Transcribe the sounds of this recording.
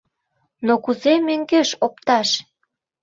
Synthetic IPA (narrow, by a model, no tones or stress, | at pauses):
nokuzemøŋɡeʃopt̪ɑʃ